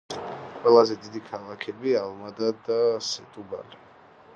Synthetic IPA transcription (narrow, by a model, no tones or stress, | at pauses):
qʼwɛlˠazɛd̪id̪ikʰalˠakʰɛbialˠmad̪ad̪asɛt̪ʼuba̰li